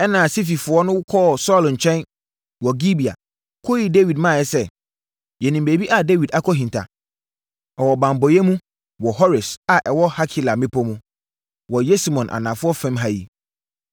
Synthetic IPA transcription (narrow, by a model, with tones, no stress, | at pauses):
ɛ˦nã˨si˦f̬i˨fʊ˨˦ɔ˦nʊ̃˦wʊ˦kʰɔ˦˨sɔ˦lɲ̩˨t͡ɕʰᶣɛ̃˦n | wɔ˨ɡi˦bi˨a̰˨ | kʰo˦ji˦de˦wi˨dmãː˦˨jɛ˨sɛ˦ | jɛ˨nĩ˨m˨be˨bi˦ʔa˨de˦wi˨da˦kʰɔ˦ɦĩ˨ntʰa̰˨ | ɔ˨wɔ˨bã˨m˨bɔ˨jɛ˦mũ˦ | wɔ˨ɦɔ˦ɾɪ˨sa˨ʔɛ˨wɔ˦ha˦kʰi˦la˨mɪ̃˦pʰɔ˦mʊ̃˦ | wɔ˨jɛ˦si˦mɔ̃˨nʔa̰˨nã˨fʊ˦ɔ˦fɛ̃˦mɦa˦jḭ˨